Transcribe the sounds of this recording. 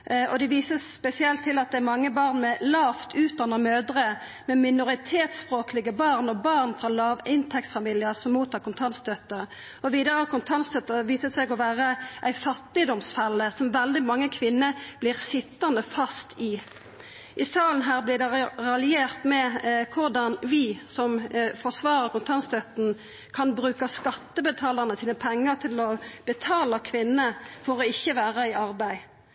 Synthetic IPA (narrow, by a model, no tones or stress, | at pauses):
ʔɔd̪ɛʋiːsəsspɛsɪɛlt̪ʰːɪlɑt̪̚d̪ɛæɾmɑŋːəbɑːʁnmɛlɑːft̪ʰʉːt̪̚d̪ɑnːəmøːd̪əʁə | mɛmɪnʊʁɪt̪ʰeːt̪spʁoːklɪɡəbɑːʁnɔbɑːʁnfʁɑlɑːʋɪnt̪ʰɛksfɑmiːlɪəsɔmmuːt̪ʰːɑːkʰʊnt̪ʰɑnsd̪œt̪ːəʁ | ɔʋiːd̪əʁəkʰʊnt̪ʰɑnsd̪œt̪ːəʋiːsəsæɪɡɔʋæːʁəʔæɪfɑt̪ːɪd̪ɔmsfælːəsɔmʋɛld̪ɪmɑŋːəkʰʋɪnːəb̥lɪʁsɪt̪ːɑnəfɑst̪ɪ | ʔɪsɑːln̩ɦæːʁblɪd̪ɛʁɑlɪeːʁt̪mɛkʰʊʁdɑnʋɪsɔmfɔʁsʋɑːɾəʁkʊnt̪ʰɑnst̪œt̪n̩ | kʰɑnbɾʉːkɑskɑt̪ːəbət̪ʰɑːləʁnəsiːnəpʰɛŋːəʁt̪ʰɪlɔb̥ət̪ʰɑːləkʰʋɪnːəfɔɾɔɪçːəʋæːʁəɪʔɑʁbæɪ